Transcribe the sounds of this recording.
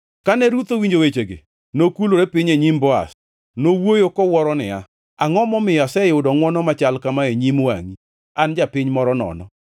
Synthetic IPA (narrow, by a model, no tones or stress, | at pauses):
kanɛɾut̪owiɲd͡ʒowet͡ʃeɡḛ | nokuloɾepɪɲeɲimbɔa̰s | nowojokɔwɔɾɔnɪ̰a | aŋɔmɔmɪjasɛjʊdɔŋwɔnɔmat͡ʃalkamaeɲimwa̰ŋi | and͡ʒapɪɲmɔɾɔnɔ̰nɔ̰